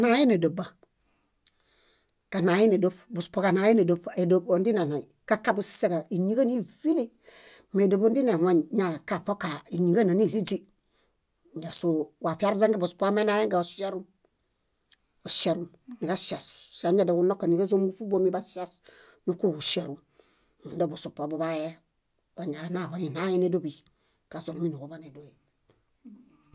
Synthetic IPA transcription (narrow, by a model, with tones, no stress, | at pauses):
na˨ji˦ne˨do˨ba˨ | ka˨na˨ji˦ne˨do˦pbu˨spo˦ka˨na˨˦ji˦ne˨do˦pe˨do˦bo˨ndi˦na˨na˨jka˦ka˦bu˦se˦ka˨i˨ɲi˦ɡa˦ni˦vi˦li˦ | me˨do˨bo˦ndi˦na˨wa˦ɲɲa˨ka˦˨po˦ka˨i˨ɲi˨ɡa˦˨na˨ni˦˨vi˦d͡ʒi˦˨ | ɡa˨su˨wa˨fi˦a˦ɾza˦ŋɡe˦bu˨spo˦ka˦me˦na˦je˦ŋɡa˨o˨sa˦ɾu˦m | o˨ʃe˨ɾu˦m | ni˨ka˦ʃa˨ssa˨ɲa˦da˨ɡu˦no˦kːa˨ni˨ɡa˦zo˦m˦ɡu˦fu˦bo˦mi˦ba˦sa˦s | nu˦ku˦˨ɡu˨ʃe˨ɾu˨ | n˨da˦˨bo˨su˨pa˨bo˨ba˦je˦ | wa˨ɲa˨na˦˨βo˨ni˨na˦je˦ne˦do˦bi˨ | ka˨so˨nmi˦ni˨ko˨ba˦ne˨do˨je˨